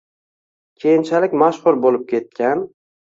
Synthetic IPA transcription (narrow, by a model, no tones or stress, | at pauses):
kʲʰe̞jɪnt͡ʃʰalɪkʲmaʃχʊɾbolɪp̚kʲʰe̞t̪̚kʲʰan